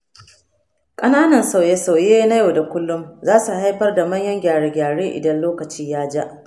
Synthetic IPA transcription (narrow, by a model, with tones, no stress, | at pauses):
kʼɐ˦naː˦nɐ˨nsa˦˨wje˦sa˨wjeː˦na˦ja˨da˨kʷʊ˦lːʊ˦mzaː˦su˨ha˦jɸɐ˦rda˨mɐ˦ɲjɐ˦ŋɡʲaː˨ɽe˨ɡʲaː˨ɽeː˦ʔɪ̰˨dɐ˦nloː˦kɐ˨t͡ʃiː˦jaː˦d͡ʒa˦ʔ